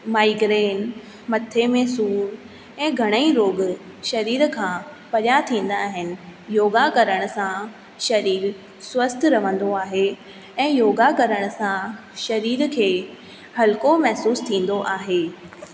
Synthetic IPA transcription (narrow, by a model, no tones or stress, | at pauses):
maːiɡɾeːn | mɐt̪ʰːemẽsuːɾ | ɛ̃ːɡʱɐɽ̃ə̃ĩɾoːɡ | ʃɐɾiːɾkʰãːpɐɗjat̪ʰĩːn̆d̪aːɦɪnɪ̆joːɡakɐɾəɽ̃ʊ̆sã | ʃɐɾiːɾ | swɐst̪ʰɾɐʋə̃nd̪oaːɦe | ɛ̃ːjoːɡakɐɾəɽ̃ʊ̆sã | ʃɐɾiːɾkʰeː | hɐlɪkomɐɦsuːst̪ʰĩːn̆d̪oʔaːɦeː